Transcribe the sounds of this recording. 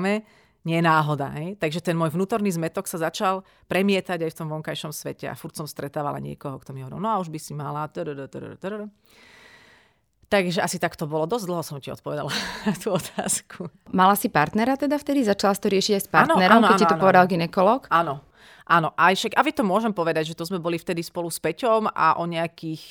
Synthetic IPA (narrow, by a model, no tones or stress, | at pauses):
mɛ | ɲɪɛnaːɦɔd̪a̰ɦɛjt̪aɡʒɛt̪ɛnmʊɔːjʋnuːt̪ɔɾniːzmɛt̪ɔksazat͡ʃal | pɾɛmɪɛt̪aɟajft̪ɔmʋɔŋkajʃɔmsʋɛ̰cɛa̰fuɾcsɔmst̪ɾɛt̪aːʋa̰la̰ɲɪɛ̰kɔɦɔkt̪ɔmiɦɔʋɔɾḭlnɔauʒbisimalat̪əɾɾt̪ɾt̪ɾɾ | t̪aɡʒɛasit̪akt̪ɔbɔlɔd̪ɔzʲd̪l̩ɦɔsɔmciɔ̰t̪̚pɔʋɛd̪a̰lanat̪uɔt̪ʰa̰ːskʰumalasipaɾt̪nɛɾat̪ɛd̪aft̪ɛd̪izat͡ʃalasi̥t̪ɔɾɪɛʃiɟajspaɾtnɔnɛɾɾaɔmk̪ɔɛaniɔp̪ɔʋɛd̪alɡinɛkɔlɔːkanɔ | ʔaːnɔʔajʃaɡaʋit̪ɔmʊɔʒɛmpɔʋɛd̪aɟʒɛt̪ɔzmɛbɔlift̪ɛd̪ispɔluspɛcɔmʔa̰ʔɔɲɛakiːx